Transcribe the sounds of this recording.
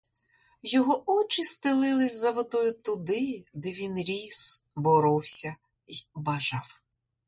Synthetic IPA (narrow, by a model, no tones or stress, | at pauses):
jɔɦɔɔt͡ʃɪst̪ɪlˠɪlˠɪsʲzɐʋɔd̪ɔjʊt̪ʊd̪ɪd̪ɛʋʲinɾʲisbɔɾɔwsʲɐ | ibɐʒɑw